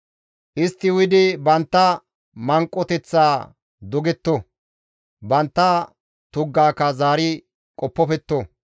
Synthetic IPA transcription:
ʔɪst̪ːɪwɪd̪ɪbɐnt̪ːɐ | mɐŋkʼːɔt̪ɛt͡sːaː | d̪ɔɡɛt̪ːɔ | bɐnt̪ːɐ | t̪ʊɡːaːkːɐzaːɾɪ | kʼɔpːɔpɛt̪ːɔ

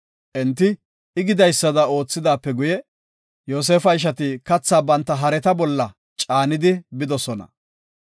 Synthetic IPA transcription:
ʔɛnt̪ːɪ | ɪɡɪd̪ɐjsːɐd̪ɐo̞ːt͡sːɪd̪aːpːɛɡʊjɛ | jo̞ːs̬eːfɐɪʃ̬ɐt̪ɪkɐt͡sːaːbɐnt̪ːɐɦɐɾɛt̪ɐbɔlːɐ | t͡ʃʼaːnɪd̪ɪbɪd̪ɔsɔnɐ̰

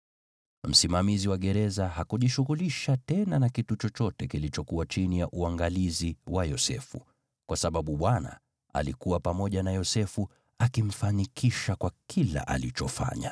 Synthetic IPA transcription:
m̩simamiziwaɠɛɾɛzahakuʄiʃuɣuliʃatɛnanakitut͡ʃɔt͡ʃɔtɛkilit͡ʃɔkuwat͡ʃinijaʔuaŋɡaliziwajɔsɛ̰fu | kwasaɓaɓuɓwana̰ | a̰likuwapamɔʄanajɔsɛfu | akim̩fanikʰiʃakwakʰila̰ʔa̰lit͡ʃɔfa̰ɲa̰

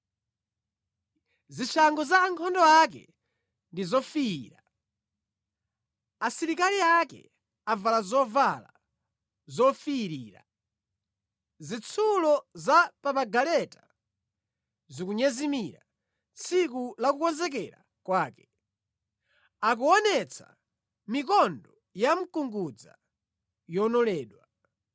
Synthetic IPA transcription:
zit͡ʃʰaŋɡɔzaːŋkʰɔndɔak̬ɛ̰ | ndizɔfiḭːɾa | asiɾikaliakɛ̰ | avalazɔvala̰ | zɔfiːɾiːɾa̰ | zit͡sʰulɔzapapaɡalɛta | zikuɲɛzimiɾa̰ | t͡sʰik̬ulakukɔnzɛk̬ɛɾa̰ | kwaːkɛ̥ | ak̬uɔnɛt͡sʰa̰ | mikɔndɔ | jam̩kuŋɡud͡za̰ | jɔnɔlɛːɗwa

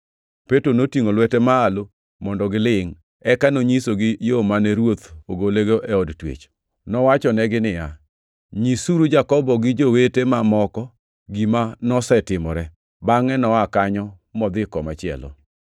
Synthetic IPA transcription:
petɾonotiŋolwɛtɛmaːlo | mɔndɔɡɪlɪŋ | ɛkanoɲisoɡɪjomanɛɾwot̪oɡoleɡoʔɛɔdtwḛt͡ʃ | nɔwat͡ʃɔnɛɡɪnɪja | ɲisuɾud͡ʒakɔbɔɡɪd͡ʒowetemamɔkɔ | ɡimanɔsɛtɪmɔɾɛ | baŋɛnɔakaɲɔ | mɔd̪ɪkɔmat͡ʃɪɛ̰lɔ̰

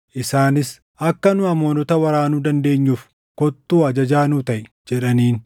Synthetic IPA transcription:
ʔɪsaːnɪs | ʔɐkːɐnʊɐmoːnɔt̪ɐwɐɾaːnud̪ɐnd̪e̞ːɲːuːf | kɔt̪ːuːɐd͡ʒɐd͡ʒaːnʊt̪ɐʔɪ | d͡ʒɛᶑɐniːn

